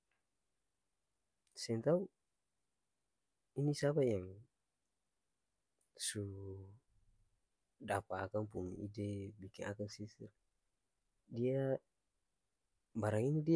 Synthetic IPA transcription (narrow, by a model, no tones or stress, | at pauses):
sɛnt̪au | inisapajaŋ | su | dapaːkaŋpuŋḭʔidɛbikina̰kaŋsisɛr | dia | baɾaŋinidi